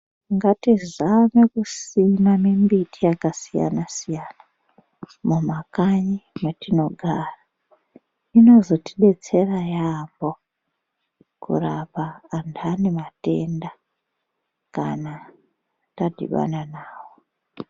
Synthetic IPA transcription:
ŋɡatizamekusinamimbitijakasija̰nasijaːna | mumakaɲimetino̞ɡʱaːra | ino̞zo̞ti̥ɗe̞t͡se̞rajambo̞ | kṵrapaːndanemate̞̰nda | kana | tadʱḭɓa̰nanaːwo

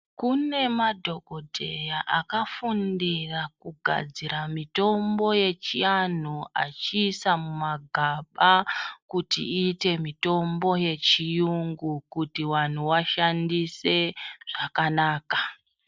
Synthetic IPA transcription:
kune̞madʱo̞ɡʱo̞dʱe̞jaʔakafundirakuɡʱa̰d͡ziɾamito̞mbo̞je̞t͡ʃian̤ua̰t͡ʃiːsamumaɡʱaɓakutḭiːte̞mito̞mbo̞je̞t͡ʃijuŋɡukutiwan̤uwaʃandise̞ʐ̥akanaːka

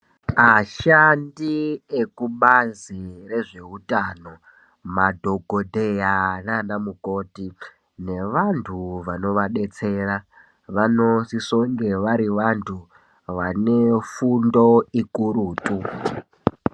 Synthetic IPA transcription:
aʃandiekuɓazire̞ʐe̞utaːno̞ | madʱo̞ɡʱodʱe̞jananamuko̞ːti | ne̞ʋantʰuʋano̞ʋaɗe̞t͡se̞ːra | ʋano̞siso̞ŋɡe̞ʋaɾiʋantʰu | ʋane̞fundo̞ikʼuɾuːtʼu

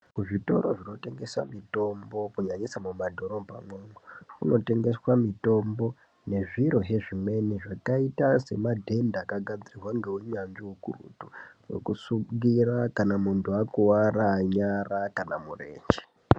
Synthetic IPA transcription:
kuʐito̞ɾo̞ʐino̞te̞ŋɡe̞swa̰mito̞mbo̞kuɲaɲisamumadʱo̞ɾo̞bʱa̰mwemokuno̞te̞ŋɡe̞swamito̞mbo̞ | ne̞ʐiɾo̞ɦe̞ʐime̞niʐakaitase̞madʱe̞ndakaɡʱad͡zirirwaŋɡeuɲand͡ʒiwukṵrṵtuwḛkusuɡirakanamuntʰuakuwaɾaɲarakanamurḛːɲd͡ʒi̥

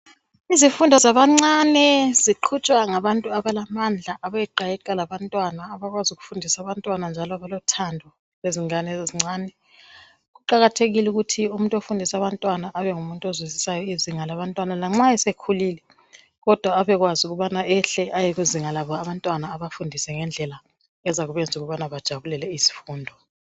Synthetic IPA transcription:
izifundʱɔzaβaŋ͡ǀanɛz̥iǃʰut͡ʃʼwaŋaβantʼuaβalamand͡ɮʱaʔaβajɛǃajɛǃʼalaβantʼwanaːβaɣwazuɣu̥fundʱisaβantʼwanand͡ʒʱalɔaβalɔtʰandʱɔ | leziŋanɛzziŋ͡ǀaːnɛ | ɣuǃaɣatʰeɣiluɣutʰiumuntʼofundʱisaβantʼwanaʔaβɛŋumuntʼozwizisajɔiziŋalaβantʼwanalaŋ͡ǁaɛsekʰuliːlɛ | ɣɔd̥ʱwaːβɛɣwazuɣuβanaɛɬɛʔajeɣuziŋalaβɔaβantʼwanaːβafundʱisɛŋɛnd͡ɮʱɛla | ɛzaɣuβɛnd͡zʱuɣuβanaβad̥ʒ̥ʱaβulɛlɛisi̥fuːndʱɔ

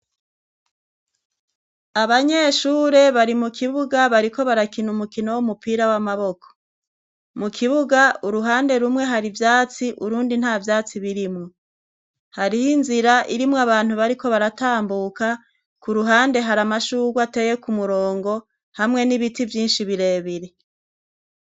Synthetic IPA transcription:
aβaɲe̞ʃuːɾe̞βaɾimukʰiβuɡaβaɾiko̞βaɾakinumukino̞wumupiːɾawamaβo̞kʰo̥ | mukʰiβuɡauɾuɦaːnde̞ɾumŋe̞ɦaɾivjaːt͡siʔuɾuːndin̥haːvjaːt͡siβiɾimŋo | haɾihinziɾaʔiɾimŋaβaːn̥huβaɾiko̞βaɾataːmbuka | kuɾuɦaːnde̞ɦaɾamaʃuːɡwate̞ːje̞kumuɾo̞ːŋɡo̞ | hamŋe̞niβitivjiːnʃiβiɾe̞ːβiɾe̞

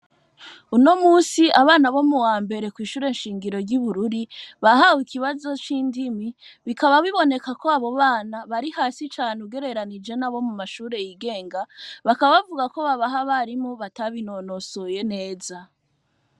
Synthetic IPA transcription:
uno̞muːsiʔaβaːnaβo̞muwaːmbe̞ɾe̞kwiːʃuːɾe̞nʃiːŋɡiɾo̞ɾɟuβuɾuɾiβahawikiβazo̞t͡ʃiːndimiβikaβaβiβo̞ne̞kako̞aβo̞βaːnaβaɾihaːsit͡ʃaːneuɡe̞ɾe̞ɾanid͡ʒe̞naβo̞mumaʃuːɾe̞jiɡe̞ːŋɡaβakaβaβavuɡako̞βaβaɦaβaɾimoβataβino̞no̞soje̞ne̞ːza

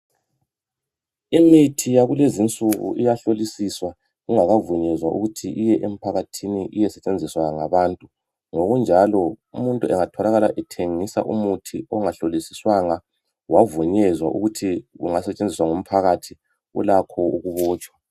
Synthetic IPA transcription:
imitʰijaɣulezint͡sʼuɣṵʔijaɬolisiswa | ɣuŋaɣavuɲɛzwaʔṵɣutʰiʔijɛʔem̩pʰaɣatʰiniʔijɛsɛt͡ʃʼend͡zʱiswaɣŋaβaːntʼu | ŋoɣund͡ʒʱalɔumuntʼuɛŋatʰɔlaɣalaʔɛtʰeŋisa̰ʔumutʰiɔŋaɬolisiswaŋa | wavuɲɛzwaʔṵɣutʰiɣuŋasɛt͡ʃʼend͡zʱiswaŋum̩pʰaɣatʰi | ṵlakʰɔuɣuβɔːt͡ʃʼwḁ

